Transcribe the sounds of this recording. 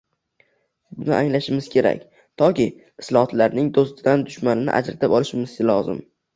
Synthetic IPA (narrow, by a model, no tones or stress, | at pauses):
bʊnɪ̰ʔaŋlaʃɪmɪz̥kʲʰe̞ɾa̰kʲ | t̪ʰɒkʲɪ | ɪslˠɒhɒt̪laɾnɪŋd̪ost̪ɪd̪and̪ʊʃmanɪnɪ̰ʔa̰d͡ʒɾat̪ʰapɒlˠɪʃɪmɪzɪlɒzɪ̰m